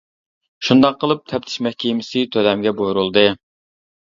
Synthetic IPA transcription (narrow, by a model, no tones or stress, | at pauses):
ʃund̪ɑqːəlˠɨp̚t̪ʰɛp̚t̪ʰɪ̥ʃmɛhkʲʰimɪsɪt̪ʰølɛmɡʲɛbojuɾulˠd̪ɨ